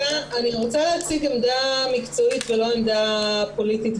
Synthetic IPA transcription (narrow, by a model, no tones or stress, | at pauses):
aaniʁo̞t͡saleat͡siɡemdamikt͡so̞it̪velo̞emd̪apo̞litit̪